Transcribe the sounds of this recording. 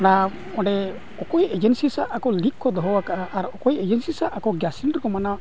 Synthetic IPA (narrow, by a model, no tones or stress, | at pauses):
ɽ̃a | ɔ̃ɖɛ | ɔkɔjed͡ʒɛnsisaʔʔakɔlikkɔd̪ɔɦɔwakaʔaʔːɾɔkɔjed͡ʒensisaʔakɔɡjasiɳʈkɔmana